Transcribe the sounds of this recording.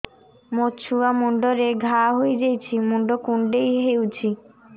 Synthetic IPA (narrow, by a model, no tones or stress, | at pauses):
mot͡ɕʰuamuɳɖoɾeɡʱaɦoed͡ʒejt͡ɕʰimuɳɖokuɳɖejɦewt͡ɕʰi